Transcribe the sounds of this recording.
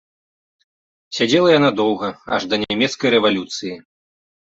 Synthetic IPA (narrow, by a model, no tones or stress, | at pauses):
sʲad͡zʲɛlˠɐjanad̪ɔwɣɐa̰ʐd̪ɐnʲamʲɛt̪skɐjɾɛvalʲut̪sɨji